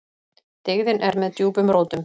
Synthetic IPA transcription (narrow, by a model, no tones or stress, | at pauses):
t̪ɪɣðɪnʔɛɾmɛðt̪juːpʏmɾowt̪ʏm